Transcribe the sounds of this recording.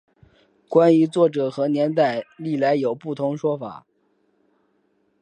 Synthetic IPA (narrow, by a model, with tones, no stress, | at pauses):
kwa˥ny˧˥t͡swɔ˥˩ʈ͡ʂɤ˨˩xɤ˧˥njɛ˧˥nt̪a˥˩ɪli˥˩la˧˥ɪjo˨˩ʊpu˥˩t̪ʰʊ˧˥ŋʂwɔ˥fa̰˨˩˦